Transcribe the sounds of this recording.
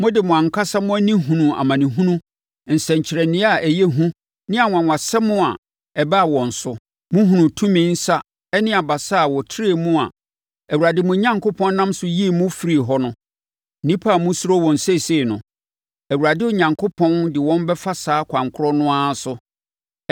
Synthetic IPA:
mʊ̃˦dɪ˨mʊ̃˨ã˨ŋ˨kʰa˦sa˦mʊ̃˦æ˦nĩ˦ɦũ˨nũ˨a̰˨mã˨nĩ˨ɦũ˦nũ˦˨ | n̩˨sɛ̃˨ɲ̩˨t͡ɕʰɪ˨ɾɛ˨nɪ̃˦a˨ʔæ˨je˦ɦũ˦ | nɪ̃˦a˨ŋʷ˨ã˨ŋʷã˨sɛ˦mʊ̃˦a̰˨ | ɛ˨ba˦a˨wɔ̃˨n̩˨sʊ˦ | mʊ̃˦ɦũ˨nũ˨tʰũ˦mĩ˦n̩˦sa˦ | ɛ˦nɪ̃˦a˨ba˨sa˦˨wɔ˨tʰɾe˨mũ˦a̰˨ | ɛ˨wu˨ɾa˨dɪ˦mʊ̃˦ɲã˦ŋkʰo˦pʰɔ̃˦n˦nã˦msʊ˦ji˦˨mʊ̃˦fi˨ɾi˨ɦɔ˦nʊ̃˦˨ | nĩ˦pʰa˦˨mʊ̃˦su˦ɾo˦wɔ̃˨n̩˨se˦˨se˦˨nʊ̃˨ | æ˨wu˨ɾa˨dɪ˦ʊ˨ɲã˨ŋkʰo˦pʰɔ̃˦ndɪ˨wɔ̃˦m˦bɛ˦fa˦saː˨˦kʰã˨ŋkʰʊ˦ɾɔ˦nʊ̃˦a˦sʊ˦

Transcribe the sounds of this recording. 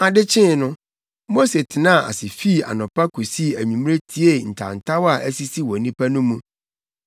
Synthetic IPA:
a˨dɪ˦t͡ɕʰɪ̃˦˨nʊ̃˦ | mo˦se˨tʰɪ˨nã˦˨a̰˨sɪ˨fi˦˨a̰˨nʊ̃˨pa˦kʰu˨si˦˨æ˨ɲĩ˨m˦ɾe˦tʰi˦e˦˨n̩˨tʰa̰˨n̩˨tʰa˦wa˨ʔæ˦si˦si˦wɔ˨nĩ˦pʰa˦nʊ̃˦mũ˦

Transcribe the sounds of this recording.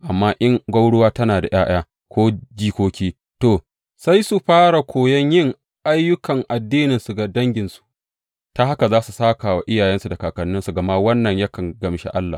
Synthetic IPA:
ʔa˨mːaː˦ʔɪ˦ŋɡʷɐ˦wɽʊ˦waː˦tɐ˦naː˨da˨j̰aː˦j̰aː˦ | kʷʰoː˦d͡ʒiː˦kʷoː˦kʲiː˦ | toː˨ | sa˦jsu˨ɸaː˦ɽa˨kʷʰoː˨jɐ˦ɲjɪ˦˨ŋ | ʔa˦jːʊ˦kɐ˨ŋʔa˨dːiː˦nɪ˨nsu˨ɡa˨dɐ˦ŋɡʲɪ˨nsu̥˦ | ta˦ha˦ka˨zaː˦su˨saː˦kaː˨wa˨ʔɪ˦jaː˨jɛ˦nsu˨da˨kaː˨kɐ˨nːɪ˦nsu˨ɡɐ˨ma˦wɐ˦nːɐ˨ɲjɐ˦kɐ˨ŋɡɐ˨mʃḛ˦ʔa˦lːa̰˨

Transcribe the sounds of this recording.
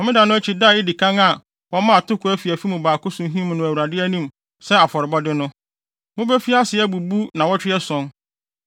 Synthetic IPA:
ɔ˨mɪ̃˦dã˨nʊ̃˦æ˦t͡ɕʰi˨da˦˨ɪ˦di˨kʰã˦ŋa˨ | wɔ˦mã˦a˨tʊ˦kʰʊ˨˦æ˦fi˨æ˨fi˦mʊ̃˨baː˨kʊ˦sʊ̃˦ɦĩ˦mʊ̃˨nʊ̃˨æ˨wu˨ɾa˨dɪ˦æ˦nĩ˦m | sɛ˦a˨fɔ˨ɾɪ˨bɔ˦dɪ˦nʊ̃˦ | mʊ̃˦bɛ˦fi˦a˦sɪ˨ɛ˦bu˨bu˦nã˨wɔ˦t͡ɕᶣɪ˦ɛ˦sɔ̃˦n

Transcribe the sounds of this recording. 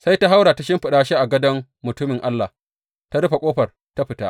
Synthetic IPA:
sa˦jta˦ɦa˦wɽaː˨ta˦ʃɪ˦mɸɪ˨ɗaː˦ʃe˦ʔa˨ɡɐ˦dɐ˦mːʊ˨tʊ˦mɪ˨ŋʔa˦lːa˨h | ta˦ɽʊ˦ɸa˨kʷʼoː˦ɸɐ˨r | ta˦ɸɪ˨ta̰ː˦ʔ

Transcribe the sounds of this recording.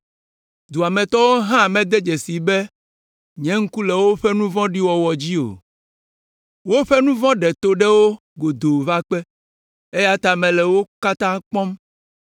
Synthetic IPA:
d̪u˨a˨mɛ̃˨t̪ɔ˦wo˦ɦã˦˨mɛ̃˨d̪ɛ˦d͡ʒɛ˨si˨bɛ˦ | ɲɛ̃˨˦ŋ̩˦ku˦lɛ˨wo˦ɸɛ˦nũ˦vɔ̃˦ɖi˦wɔ˨wɔ˨d͡ʑi˦o̰˨ | wo˦ɸɛ˦nũ˦vɔ̃˦ɖɛ˨t̪o˨ɖɛ˦wo˦ | ɡo˨d̪o˨va˦k͡pɛ˦ | e˦ja˦t̪a˨mɛ̃˨lɛ˨wo˦ka˦t̪ã˦k͡pɔ̃˦m

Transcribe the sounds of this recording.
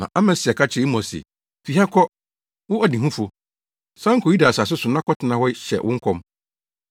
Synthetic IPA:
nã̰˨ʔa˦mɛ̃˨sɪ˨ɛ˨kʰa˦t͡ɕʰɪ˨i˦mɔ̃˨sɛ̰˨ | fi˨ha˦kʰɔ˦ | wʊ˦ɔ˨dĩ˨ɦũ˦fo˨ | sã˦ŋ˦kʰɔ˨ji˦da˨sa˨s̬ʊ˦sʊ˨nã˦kʰɔ˦tʰɪ˨nã˨wɔ˦ɕɛ̰˨wʔʊ̃˦ŋ̩˦kʰɔ̃˦m

